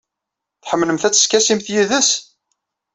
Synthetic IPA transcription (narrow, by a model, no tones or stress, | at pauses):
θħəmːləmθæt͡sːə̥skæsimθjiðəs